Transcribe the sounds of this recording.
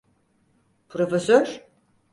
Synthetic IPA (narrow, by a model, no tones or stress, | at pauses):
pʰɾofesøɾ